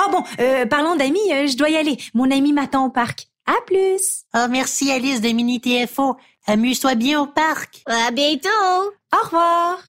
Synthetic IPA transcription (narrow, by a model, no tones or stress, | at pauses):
ɔbɔ̃øpaʁlɑ̃d̪amiøʒəd̪wajalemɔ̃namimat̪ɑ̃opaʁk | aplysɔmɛʁsialisd̪əminit̪eɛfo | amyt̪wabjɛ̃opaʁkʲabjɛ̃t̪oɔʁvwaːʁ